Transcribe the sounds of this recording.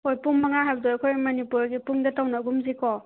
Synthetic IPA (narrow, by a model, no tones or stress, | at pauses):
ojpuŋmɐŋaɦajbɐdojɐkʰojmɐnipuɾɡipuŋdɐtawnɐɡumzikɔ